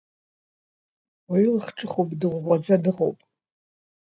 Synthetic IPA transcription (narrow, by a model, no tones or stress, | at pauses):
waɥilχʈ͡ʂʼɨχowpʼdɨʁʷʁʷad͡zadɨʁo̰wpʼ